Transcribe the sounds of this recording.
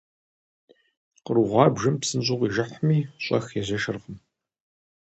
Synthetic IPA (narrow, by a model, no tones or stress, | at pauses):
qəɾuʁʷɑːbʒɐmpsɨnɕʼʊqʷiʒɐħmiːɕʷʼɐ̰xjɛzɐʃɨrʁəm